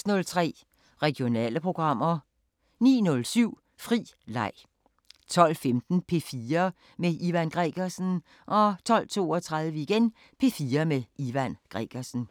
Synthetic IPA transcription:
snɔ̽lt͡sʰʁɛ̰ː | ʁɛɡ̥jo̝nɛ̰ːləpʰʁo̝ɡ̥ʁɑ̈m̰ɐ | nḭːnɔ̽lsyʊ̰ | fʁḭːlɑ̈ɪ̰ | t͡sʰɒ̽l̰femd̥n̩pʰe̝fiːɐ | meʔiʋænɡ̥ʁɛɡ̥ɐsn̩ | ʔɒ̽t͡sʰɒ̽l̰t͡sʰo̝̰ːɒt͡sʰʁɑ̈ðˠʋəiɡ̥en | pʰe̝fiːɐmeiʋænɡ̥ʁɛ̰ɡ̥ɐsn̩

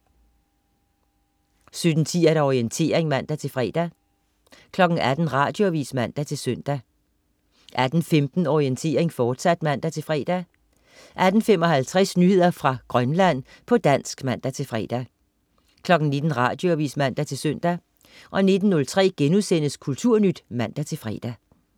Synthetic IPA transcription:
sød̥n̩t͡sʰiæɾ̥æɒʁient͡sʰe̝̰ːɐ̰eŋmæn̰d̥æt͡sʰe̝lfʁɛːd̥æ | kʰlɒ̽ɡ̥n̩æd̥n̩ʁɑ̈ːd̥joʋḭːsmæn̰d̥æt͡sʰe̝lsøn̰d̥æ | ʔæd̥n̩femd̥n̩ɒient͡sʰe̝̰ːɐe̝ŋfɒːd̥sæd̥mæn̰d̥æt͡sʰe̝lfʁɛ̰ːd̥æ | ʔæd̥n̩femɒ̽hælt͡sʰʁɛsnyhe̝ð̰ˠɐfʁɑ̈ɡ̥ʁɶnlæn̰ | pʰɒ̽d̥æn̰sɡ̥mæn̰d̥æt͡sʰe̝lfʁɛ̰ːd̥æ | kʰlɒ̽ɡ̥n̩ne̝d̥n̩ʁɑ̈d̥jo̝ʋḭːsmæn̰d̥æt͡sʰe̝lsøn̰d̥æ | ʔɒ̽ne̝d̥n̩ːɔ̽lt͡sʰʁɛ̰ːɡ̥enusen̰əskʰult͡sʰuɐ̰nyd̥mæn̰d̥æt͡sʰe̝lfʁɛ̰ːd̥æ

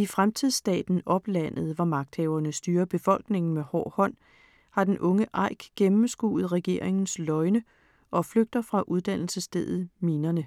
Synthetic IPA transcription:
ifʁamt͡sʰiðˠsd̥ɛ̰ːd̥n̩ɒ̽b̥læn̰ð̞̩ˠʋɑmɑ̈ɡ̥̚d̥hɛʊɐnəsd̥yːɐb̥e̝fɒ̽l̰ɡ̥ne̝ŋn̩mehɒ̰ːhɒ̽n̰ | hɑ̈d̥enʔɔ̽ŋəʔɑ̈ɪ̰ɡ̥ɡ̥emm̩sɡ̥ṵːð̞̩ˠʁɛɡ̥e̝̰ɐ̰e̝ŋn̩slɒ̽ɪnə | ʔɒ̽fløɡ̥̚d̥ɐfʁɑ̈ʔuð̞ˠd̥æn̰l̩səsd̥eðˠð̞̩ˠminɐnə

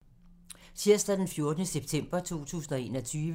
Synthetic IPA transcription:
sʰiɐ̰sd̥æd̥enfjo̝ɐd̥ənəseb̥̚t͡sʰem̰b̥ɐt͡sʰo̝̰ːt͡sʰṵːsn̩ɒ̽e̝̰ːnɒ̽t͡sʰyːʋə

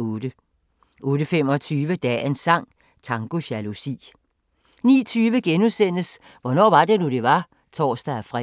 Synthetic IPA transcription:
oːɾ̥ə | ʔɔ̽ːɾəfem̰ɒ̽t͡sʰyːʋəd̥ɛ̰e̝nsɑ̈ŋ̰ | t͡sʰɑ̈ŋɡ̥o̝ɕælusḭː | nḭːt͡sʰyːʋəɡ̥enusen̰əs | ʋɒnɒ̰ːʋɑ̈d̥e̝nud̥e̝ʋɑ̈ | t͡sʰɒ̰ːsd̥æfʁɛ

